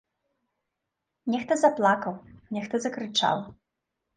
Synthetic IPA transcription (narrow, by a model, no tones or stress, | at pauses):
nʲɛxt̪ɐzaplˠakɐwnʲɛxt̪ɐzɐkɾɨt͡ʂa̰w